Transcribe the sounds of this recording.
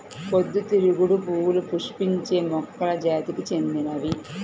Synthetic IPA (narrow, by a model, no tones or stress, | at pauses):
pod̪ːut̪iɾuɡuɽupuːwlupuʂpiɲt͡ʃe̞ːmɔkːɐlɐd͡ʒaːt̪ikit͡ʃe̞nd̪inɐʋi